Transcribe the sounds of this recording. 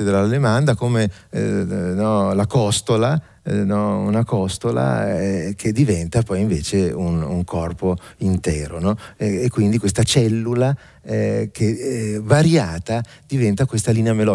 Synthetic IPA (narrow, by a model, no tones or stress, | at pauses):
ed̪elalemand̪akome | nɔlakɔst̪ola | nɔunakɔst̪ola̰ɛkʰed̪ːivɛnt̪apɔjiɱveːt͡ʃeunuŋkʰɔrpoint̪ɛːɾonɔekːwind̪ikwest̪at͡ʃɛlːula | ɛkʰevaɾjaːt̪ad̪̥ivɛnt̪akwest̪aliːneamelɔ